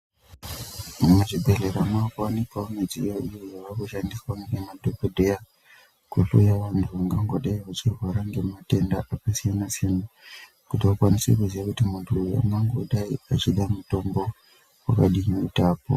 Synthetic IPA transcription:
umuʐibʱeɮeɾamakaanikwaomid͡zḭaʔijojaʋakuʃandiswaŋɡemadopodʱeja | kwuɬo̰jaʋantʰuʋaŋɡaŋɡoɗaiʋat͡ʃirwaɾaŋɡe̞mate̞ndaʔapasijanasijana | kutiʋakwanisekuziʋakutimuntʰua̰ŋɡaŋɡoɗaiat͡ʃiɗamuto̞mbo̞ | wa̰kaɗiutaːpo̰

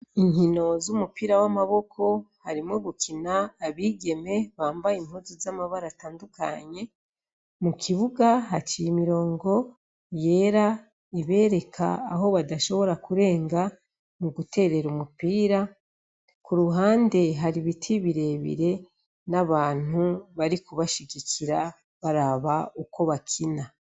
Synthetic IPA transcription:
iɲhino̞zumupiːɾawamaβo̞kʰo̞haɾimŋo̞ɡukʰinaːβiːɡe̞me̞βaːmbajimhuzizamaβaɾataːnduka̰ɲe̞ | mukʰiβuɡaɦat͡ʃijimiɾo̞ːŋɡo̞ | je̞ːɾa | iβe̞ːɾe̞kʰa̰ːɦo̞βadaʃo̞βo̞ɾakuɾe̞ːŋɡa | muɡute̞ːɾe̞ɾumupiːɾa | kuɾuɦaːnde̞ɦaɾiβitʰiβiɾe̞βḭɾe̞ | naβaːn̥huβaɾikuβaʃiɡiciɾa | βaɾaβauko̞βakʰina

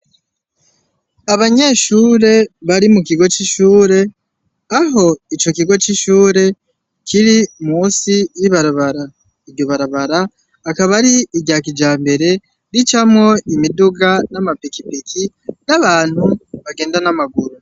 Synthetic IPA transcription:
aβaɲe̞ʃuːɾe̞βaɾimuk̬iɡo̞t͡ʃiʃuːɾe̞ | aɦo̞it͡ʃo̞k̬iɡo̞t͡ʃiʃuːɾe̞ | kʰiɾimuːsijiβaɾaβaɾa | iɟo̞βaɾaβaɾaː | kaβaɾiːɟaːk̬id͡ʒaːmbe̞ɾe̞ | ɾit͡ʃamŋo̞imiduɡanamapikipikʰi | naβaːn̥huβaɡe̞ːndanamaɡuɾu

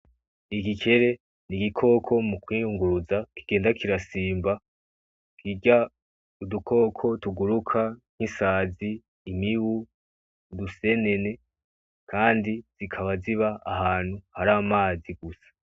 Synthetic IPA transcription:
iɡikʰe̞ɾe̞ | niɡikʰo̞ːkʰo̞mukwiːjuŋɡuɾuzaki̥ɡ̥e̞ːndakiɾasiːmba | kʰiɟa | udukʰo̞ːkʰo̞tuɡuɾukʰan̥hisaːziː | miwu | duse̞ne̞ne̞ | kʰaːndiz̥ikʰaβaziβaːɦaːn̥huhaɾaːmaːziɡusḁ

